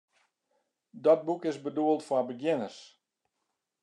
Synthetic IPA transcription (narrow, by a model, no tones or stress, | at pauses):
dɔt̚bukɪsbəduəlˠtfwabəɡjɪnərs